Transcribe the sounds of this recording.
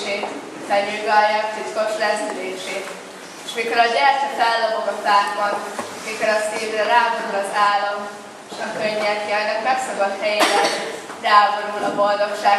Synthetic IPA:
eːt̪ | tɛɲilɡɒjɛt̪it̪ko̞ʃlɛzyleːʃeːt̪ | eʃmiko̞ɾɒɟɛrt̪ifalːɒmokɒfaːɡbɒn | miko̞ɾɒsiːvrɛɾaːboɾulɒzaːlːɒm | eʃɒkøɲːɛkiɛnːɛkmɛksɒkɒt̪hɛjeɾɛnraːboɾulɒbo̞ld̪o̞kʃaː

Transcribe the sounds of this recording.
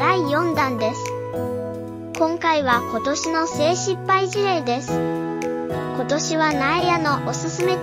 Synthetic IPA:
aijõ̞nd̪ãnd̪e̞sɨ̥ | kõ̞ŋkaiβako̞t̪o̞ɕino̞se̞ːɕipːaiʑiɾe̞id̪e̞sɨ̥ | ko̞t̪o̞ɕiβanaejano̞ʔosɨsɨme̞

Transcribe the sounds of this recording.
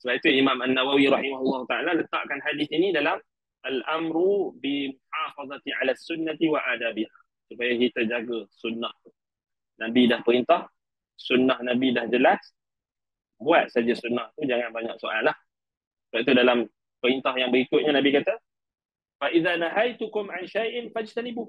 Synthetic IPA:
səbapit̪uimamanːawawiɾɑħimaɦulˠːɑɦut̪aʕalalət̪a̰ʔkanhadisinidalam | ʔalʔamɾubimuħafɑd̪ˤɑt̪iʕalasunːat̪iwaʔad̪abiha | supajaɦit̪əd͡ʒaɡasunːaht̪u | nabidahpəɾint̪ah | sunːahnabidahd͡ʒəlas | buat̪̚sad͡ʒasunːaht̪ud͡ʒaŋãnbaɲa̰ksoʔalah | baʔit̪udalam | pəɾint̪ahjaŋbəɾikʊt̪̚ɲanabikat̪a | faʔiðanaɦajt̪ʊkʊmʕanʃajʔɪnfad͡ʒit̪anibu

